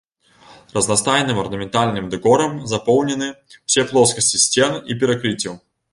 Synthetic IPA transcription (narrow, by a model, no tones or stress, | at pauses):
rɐznɐst̪ajnɨmɐrnɐmʲɪnt̪alʲnɨmd̪ɨɡɔɾɐmzɐpɔwnʲɪnɨ | w̥sʲɛplˠɔskɐsʲtʲisʲt͡sʲɛnipʲɪɾɐkɾɨt͡sʲɪju